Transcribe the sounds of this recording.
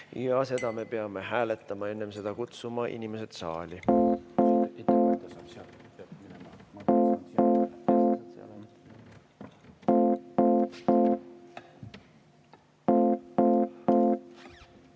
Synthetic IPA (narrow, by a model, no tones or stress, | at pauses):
jɑse̞d̪̥ɑme̞pe̞ɑme̞ɦæːle̞t̪ˑːɑmɑe̞nːemse̞d̪̥ɑkut̪sumɑʔḭnʲimese̞d̪̥sɑ̰ːlʲi | esseseɑ̰l